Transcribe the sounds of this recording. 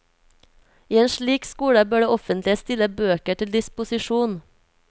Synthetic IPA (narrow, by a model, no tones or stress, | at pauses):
iːeːnʃɭiːkskuːɽəbøːɖeːʔɔfənt̪lɪst̪ɪləbøːkəʈʰɪld̪ɪspʊsɪʃuːn